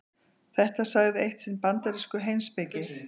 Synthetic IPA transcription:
θɛht̪asaɣðɪejht̪sɪnpant̪aɾiskʏɦejnspɪcɪ

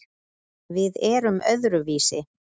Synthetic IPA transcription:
vɪðɛɾʏmœðɾʏviːsɪ

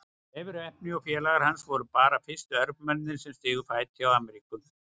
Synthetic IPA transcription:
ɛvɪɾɛhpnɪɔfjɛːlaɣaɾhansvɔɾʏpaːɾafɪ̥st̪ʏœɾpmɛnðɪnsɛmst̪ɪːɣʏfaːjt̪jawaːmɛɾiːkʏm

